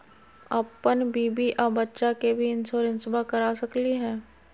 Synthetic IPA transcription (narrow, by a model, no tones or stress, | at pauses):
ɐpːənbiːbiʔaːbɐtːʃakebʱiɪnsoːɾə̃nsɪbakɐɾaːsɐkliɦɛ̃ː